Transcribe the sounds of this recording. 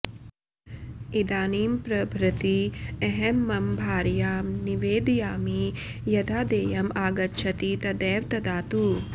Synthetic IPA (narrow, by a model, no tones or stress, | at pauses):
id̪aːniːmpɾɐbʱɾɐt̪ieɦɛmːɐmbʱaːɾjaːmniʋeːd̪ijaːmijɐd̪aːd̪eːjɐmaːɡɐtːʃʰɐt̪iːt̪ɐd̪ɛːʋt̪ɐd̪aːt̪uː